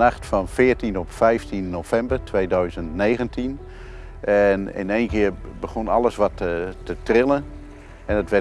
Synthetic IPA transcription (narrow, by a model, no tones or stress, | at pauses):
axtfɔnfɪəɹtinɔpfɛjftinnoːfɛmbərtʰʋeːdœɥzəntneːɣəntʰin | ʔɛnɪ̰nejnkɪərbəɣonalˠəsʋɔtətətrɪlˠən | ɛndətʋɛ